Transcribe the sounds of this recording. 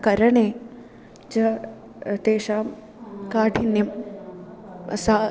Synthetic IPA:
kɐɾɐɳeː | d͡ʒɐ | t̪eːʃaːm | kaːʈinjɐm | sa

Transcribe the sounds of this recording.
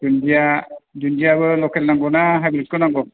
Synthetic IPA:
d͡ʒundijad͡ʒundijabɯlɔkʰɛlnaŋɡɔnaɦabilit̚kːɔnaŋɡɔ

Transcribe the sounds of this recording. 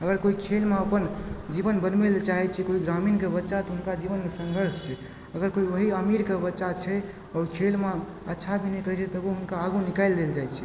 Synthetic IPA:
əɡəɾkoikʰelmeəpənd͡ʒibənbənmelt͡ʃaɦɛt͡ʃʰɛkoiɡɾaminkebətːʃat̪ɔɦunkad͡ʒiβənmesəŋɡʱəɾst͡ʃʰɛ | əɡəɾkoiʋəɦiəmiɾkebətːʃat͡ʃʰɛ | ɔːɾkʰelme | ətːʃʰabʱinɛkəɾɛt͡ʃʰɛt̪ɔəboɦunkaːɡunikaɪld̪eld͡ʒajt͡ʃʰɛ̥

